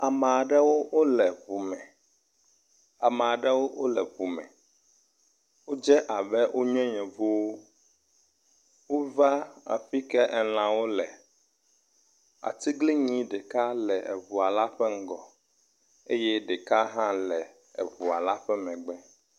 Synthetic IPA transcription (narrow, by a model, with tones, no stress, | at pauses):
a˨mɛ˨a˨ɖɛ˦wo˦wo˦lɛ˨vu˨mɛ̃˨ | a˨mɛ̃˨a˨ɖɛ˦wo˦wo˦lɛ˨vu˨mɛ̰̃˨ | wo˦d͡ʒɛ˦ʔa˨bɛ˦wʔo˦ɲɔ̃˦ɲɛ̃˨vo˦wo˦ | wo˦va˦a̰˨fi˦kɛ˦ʔɛ˨l̃ã˨wo˦lɛ˨ | a̰˨t̪i˦ɡle˦ɲĩ˦ɖe˨ka˦lɛ˨ʔɛ˨vu˨a˨la˦ɸɛ˦ŋ̩˦ɡɔ˨ | e˦jɛ˦ɖe˨ka˦ɦã˦lɛ˨ | ɛ̰˨vu˨a˨la˦ɸɛ˦mɛ̃˨ɡ͡bɛ˦